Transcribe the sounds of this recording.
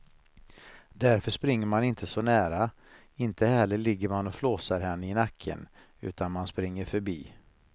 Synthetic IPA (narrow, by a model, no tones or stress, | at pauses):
d̪æɾfœʂpɾɪŋːəɾmanɪnt̪ʰəsɔnæːɾa | ɪnt̪ʰəhɛɭəlɪɡːəɾmanɔfloːsaɾɦɛnːəɪnakʰːə̰n | ʉ̟̰ːt̪ʰanmanspɾɪŋːəɾfœɾbiː